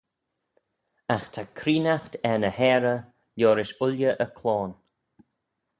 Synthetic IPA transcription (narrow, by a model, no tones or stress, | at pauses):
axt̪ʰakʰɾiːnaxtɛnəhɛːɾə | ljɔːɾɪʃʊlʲjəʔəkʰlɔːn